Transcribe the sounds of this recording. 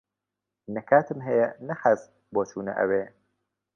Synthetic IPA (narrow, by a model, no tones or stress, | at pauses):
nɐkʰaːt̪ʰɨmɦɐjɛnɐxaz | boːt̪ʰuːnɐ̰ʔɐ̰weː